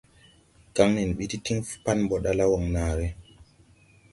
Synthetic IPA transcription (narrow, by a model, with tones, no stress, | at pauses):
ka˦ŋni˨nɓi˦ti˦ti˦ŋfpa˦nmbɔ˨ɗa˦la˦wɔ˨ŋnaː˨ɾɛ